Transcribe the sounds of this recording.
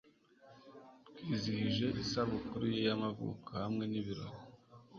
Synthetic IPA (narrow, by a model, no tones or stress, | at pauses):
tɡiːziiʒe̞ʔisaβukuɾujejamavṵkʰahamŋe̞niβiɾoɡo